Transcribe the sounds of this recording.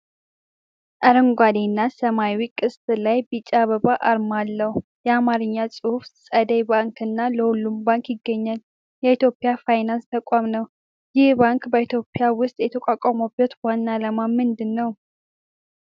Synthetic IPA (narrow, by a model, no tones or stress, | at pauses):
ʔaɾəŋɡʷad̪enːasəmawikʼɨst̪ʼlajbit͡ʃʼːaβəβaʔaɾmalːəhu | jɛamaɾɨɲːasʼɨhufsʼəd̪əjbaŋkɨnːaləhulːumbaŋkjɪɡːəɲːal | jɛit̪jo̞pʼːɪjafajnanst̪ʰəkʷʼamnəw | jɪhbaŋkbəit̪ʰjo̞pʼɪjawʊst̪ʼjɛt̪ʰəkʷʼakʷʼamobət̪wanːaləmamɨnd̪ɨnːəw